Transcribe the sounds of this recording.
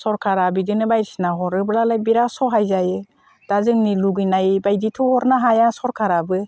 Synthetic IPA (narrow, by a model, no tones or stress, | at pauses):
sɔɾkʰaɾabidɯnɯbajɾisnaɦɔɾɯblalajbiɾasɔɦajzajɯ | d̥azɯŋniluɡɯjnajbajditʰɔhɔɾnaɦajasɔɾkʰaɾabɯ